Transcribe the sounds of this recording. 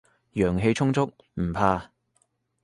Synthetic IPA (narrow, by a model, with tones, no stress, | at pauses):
jœː˨˩ŋɦe˧jt͡ʃʰʊ˥ŋt͡sʊ˥k̚ | m̩˨˩pʰaː˧